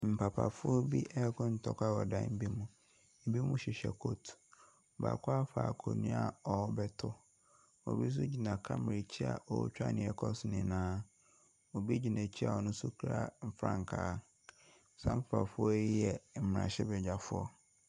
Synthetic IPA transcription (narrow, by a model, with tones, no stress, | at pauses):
m̩˨pʰa˨pʰa̰˨fʊ˦ɔ˦bi˦ʔɛ˦kʰʊ̃˦n̩˨tʰɔ˦ka˦wɔ˨dã˦m̩˦bi˦mũ˦ | m̩˨bi˦mũ˦ɕɪ˨ɕɛ̰˨kʰo˦tʰ | ba̰˨kʰʷʊ˦a˦fa̰˨kʰo˨nũ˦a˨ɔ˨˦bɛ˦tʰʊ˦ | ɔ̰˨bi˦s̬ʊ˦d͡ʑi˨nã˨kʰa˦mɪ˨ɾi˨t͡ɕʰi˦a̰˨ʔɔ̰˨˦t͡ɕᶣa̰˦nɪ̃˨ɛ˨kʰɔ˦snɪ̃˨nãː˦ | o˨bi˦d͡ʑi˨nã˨t͡ɕʰi˦a̰˨ɔ˨nʊ̃˦su˦kʰɾa̰˦m̩˨fɾã̰˦˨ŋ˨kʰaː˨˦ | sã̰˦m̩˦pa˨pa̰˨fʊ˦ɔ˦i˦jɛ˨m̩˨m˨ɾã̰˨ɕɛ˦bɛ˨d͡ʑa˨fʊ˦ɔ˦